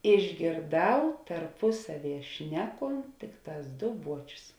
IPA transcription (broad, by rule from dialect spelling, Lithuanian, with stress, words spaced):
ɪʒʲɡʲeːrˈdɐʊ tɐrpʊˈsɑːˌʋʲiɛ ˈʃʲnʲæːˌkoːnt ˈtʲɪkˌtɑːs ˈdoː ˈbuɔt͡ʃʲʊs